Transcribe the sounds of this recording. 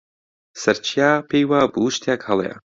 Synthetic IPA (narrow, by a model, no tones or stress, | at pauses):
sɐɾt͡ʃʰiaːpʰejwaːbuluʃt̪ʰjakhɐlˠḛa̰